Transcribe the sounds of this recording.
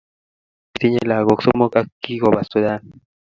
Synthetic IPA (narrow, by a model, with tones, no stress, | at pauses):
kt̪i˦ɲe˦la˨ɡo˨kso˦mo˦ka˦kːi˦ɡo˨ba˨st̪u˨d̪a˦n